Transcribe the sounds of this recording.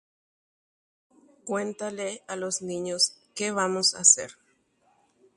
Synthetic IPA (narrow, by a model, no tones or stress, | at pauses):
kwent̪alealosnĩɲoskeβamosa̰sḛɾ